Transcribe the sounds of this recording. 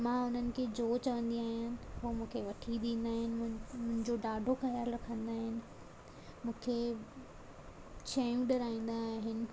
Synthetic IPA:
mãʊn̤ənɪ̆kʰeːd͡ʑoːt͡ɕɐʋə̃nd̪iaːɦijãnɦoːmũːkʰeʋɐʈʰid̪ĩːnd̪aːɦɪnɪ̆mʊ̃ɦɪ̃ɲd͡ʑoɖaːɖʱoxɐjəɾɾɐkʰə̃nd̪aːɦɪnɪ̆ | mũːkʰe | t͡ɕʰɐjũɖɪɾaːĩːn̆d̪aːɦɪnɪ̆

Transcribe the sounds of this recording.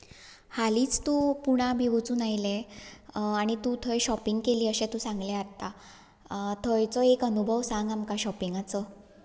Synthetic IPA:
haliːt͡st̪uːpuɽ̃abʱiʋut͡suːnajle | aɽ̃it̪ũt̪ʰəjɕɔpiŋɡkeliːəɕẽt̪ũsãŋɡleaɾt̪a | t̪ʰəjt͡sɔekənubʱəʋsãŋɡamkaɕɔpiŋɡat͡sə

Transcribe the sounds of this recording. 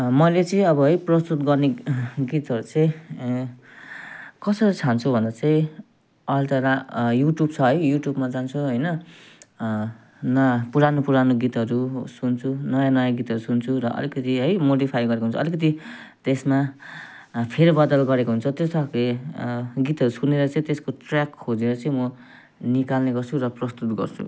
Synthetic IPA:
mʌjlet͡sʌĩʌbʌɦʌjprʌst̪ut̪ɡʌrneɡit̪ɦʌɾut͡sʌĩ | kʌsʌɾit͡sʰant͡sʰubʱʌnd̪at͡saĩ | ʌlt̪ʌɾajuʈjub̚t͡sʰʌɦʌjjuʈjubmad͡zant͡sʰuɦʌjnʌ | nʌjapuɾanopuɾanoɡit̪ʌɾusunt͡sʰunʌjanʌjaɡit̪ɦʌɾusunt͡sʰuɾʌʔʌ̰likʌt̪iɦʌjmoɽipʰajɡʌɾekoɦunt͡sʰʌlikʌt̪̬i | t̪esma | pʰeɾibʌd̪ʌlɡʌɾekoɦunt͡sʰʌt̪jost̪ʰʌke | ɡit̪ɦʌɾusuneɾʌt͡sʌ̃ĩt̪eskoʈrakʰod͡zeɾʌt͡sʌ̃ĩmʌ | nikalneɡʌrt͡sʰurʌprʌst̪ut̪̚ɡʌ̰rt͡sʰṵ

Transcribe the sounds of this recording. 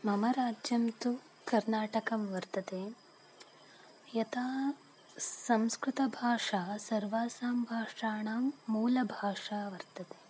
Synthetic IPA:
mɐmɐɾaːd͡ʒjɐmt̪u | kɐɾnaːʈɐkɐmʋɐɾt̪ɐt̪eː | jɐt̪aː | sɐmskɾut̪ɐbʱaːʂaːsɐɾʋaːsaːmbʱaːʂaːɳaːmːuːlɐbʱaːʂaːʋɐɾt̪ɐt̪e̥ː

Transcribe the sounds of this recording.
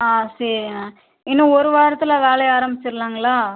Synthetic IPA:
aːsɐɾɪa | ɪnːɐ̃ɔɾɯʋaːɾɐt̪ːɪlɐʋeːlɐjaːɾɐmbɪt͡ʃːɪɾlaːŋɡɐɭaː

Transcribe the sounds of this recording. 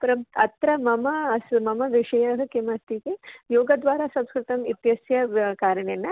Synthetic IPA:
pɾɐɐt̪ɾɐmɐmɐsmɐmɐʋiʂɐjɐɦɐkemɐst̪ikejoːɡɐd̪ʋaːɾaːsɐ̃mskɾɪt̪ɐmit̪jɐsjɐkaːɾɐɳenːɐ

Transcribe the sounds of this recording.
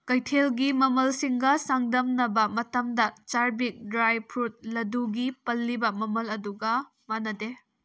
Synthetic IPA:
kɐjtʰelɡimɐmɐlsiŋɡɐsaŋdɐmnɐbɐmɐtɐmdɐt͡ʃaɾbik̚dɾajpʰut̚lɐduɡipɐlːibɐmɐmɐlɐduɡɐ | manɐde

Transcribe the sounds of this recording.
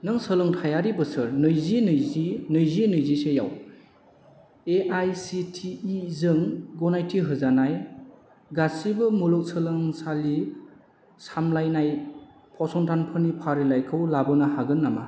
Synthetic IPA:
nɯŋsəlɯŋtʰajaɾibɯsɯɾnɯjzinɯjzinɯjzinɯjziseja̰w | eʔajsitʰiːzɯŋɡɔnajtʰiɦɯzanaj | ɡasibɯmulɔk̚sɯlɯŋsali | samlajnaj | pʰɔsɔŋtʰanpʰɯnipʰaɾilajkʰɯwlabɯnahaɡɯnːama̰

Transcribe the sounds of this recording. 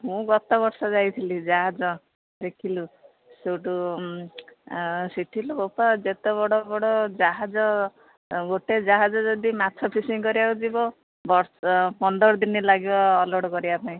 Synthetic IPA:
ɦũɡɔt̪ɔbɔɾsɔd͡ʒajt̪ʰilid͡ʒaɦad͡ʒɔ | ɾekʰilu | sewʈu | siʈʰilubopad͡ʒet̪ebɔɽɔbɔɽɔd͡ʒaɦad͡ʒɔ | ɡoʈed͡ʒaɦad͡ʒɔd͡ʒɔd̪imatʰɔpʰisiŋkɔɾiakud͡ʒibɔ | bɔɾspɔnd̪ɔɾɔd̪inilaɡibɔːlɔɽkɔɾibapaĩ

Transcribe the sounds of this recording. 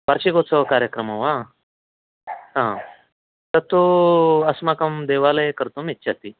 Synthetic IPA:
paɾɕikot͡sɔkaɾjəkɾəmaʋa | ɦã | t̪əɾt̪oəsmakəmd̪eʋaləekəɾt̪omitːɕʰat̪i

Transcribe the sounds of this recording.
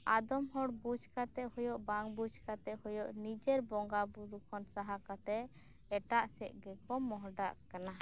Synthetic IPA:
ad̪ɔmɦɔɽbud͡ʒkat̪ɛʔhɔjɔʔbaŋbud͡ʒkat̪ɛʔhɔjɔʔnid͡ʒɛɾbɔŋɡabuɾukʰɔnsaɦakat̪ɛ | ɛʈaʔsɛʔ̚ɡɛkɔmɔɦɖaʔkana

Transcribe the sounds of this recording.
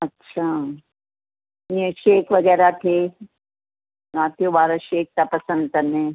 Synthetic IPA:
ɐtːʃʰaː | niəʃeːkʋɐɡɛːɾat̪ʰe | ɾaːt̪joʋaːɾəʃeːk̚t̪apɐsə̃nd̪̚kɐnẽ

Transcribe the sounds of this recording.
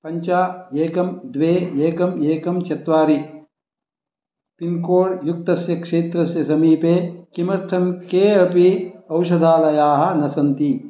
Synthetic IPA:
pɐɲt͡ʃaːeːkɐmd̪ʋeːeːkɐmeːkɐmt͡ʃɐt̪ʋaːɾi | pinkoːɽjuk̚t̪ɐsjɐkʂeːt̪ɾɐsjɐsɐmiːpeːkimɐɾt̪ʰɐmkeːɐpiɐwʃɐd̪ʱaːlɐjaːɦɐ̆nɐsɐnt̪i

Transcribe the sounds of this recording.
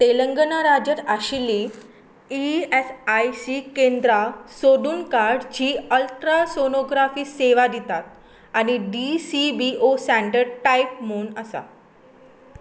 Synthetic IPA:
t̪eləŋɡənaɾad͡ʑəɾaɕili | iesajsikend̪ɾasoɽuːnkaɾɽd͡ʑiːəlt̪ɾasonoɡɾafiːseʋad̪it̪at̪̚ | añiɖisibiosæ̃ɳɖəɾʈajp̚m̤ounəsa̰

